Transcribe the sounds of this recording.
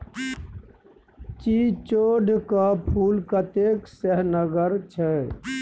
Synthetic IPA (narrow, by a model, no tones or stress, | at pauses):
t͡ʃit͡ʃoɖʱkapʰulkət̪eksəɦnəɡəɾt͡ʃʰɛ